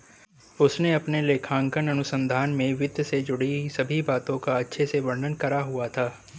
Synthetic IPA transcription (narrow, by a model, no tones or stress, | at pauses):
ʊsneɐpneleːkʰãːŋkənɐnʊsə̃nd̪ʱaːnmẽʋɪd̪ʱjsed͡ʒʊɽisɐbʱibaːt̪õkaɐtːʃʰeseʋɐ̃ɳɖʱənkɐɾaɦuat̪ʰaː